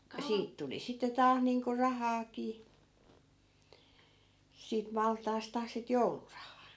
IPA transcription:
ku siːt tuli sitːe tɑːh niːŋko rɑhɑːkiː siːt mɑltˑɑːstɑ sit joulurɑhɑː

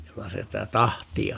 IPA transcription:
jokɑ sitæ tɑhtiɑ

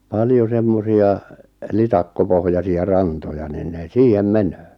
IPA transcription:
pɑljo semːosiɑ litɑkːopohjɑsiɑ rɑntojɑ niːn ne siːhem menøː

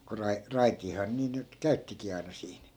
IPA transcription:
ko rɑi rɑitiːhɑː niː nyt kæytːikiː ɑinɑ siːn

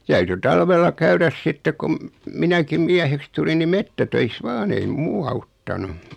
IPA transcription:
tæyty tɑlʋelːɑ kæyræs sitːe kum minækim miæheks tulin ni metːætøis ʋɑːn ei muː ɑutːɑnu

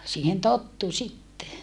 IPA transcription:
siːhen totːu sitːe

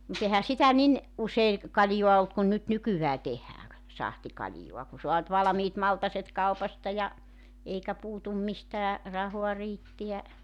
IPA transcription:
mut ehæ sitæ nin ʔusei kɑljoɑ olt kun nyt nykyʋæː tehæːŋ k sɑhtikɑlʲjoɑ ku soɑ ny̆t ʋɑlɑ̆miːt mɑltɑset kɑupɑstɑ jɑ eikæ puːtum mistæː rɑhoɑ riːtːiæ

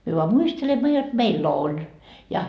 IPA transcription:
myø ʋoɑ muistelemːɑ jot meilː olʲ jɑ

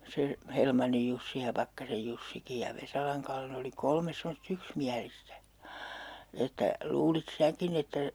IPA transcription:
se helmɑnːij jusːi jɑ pɑkːɑsej jusːiki jɑ ʋesɑlɑŋ kɑlːe ne oli kolmes semost yksmiælistæ etːæ luːlit sæːkin etːæ

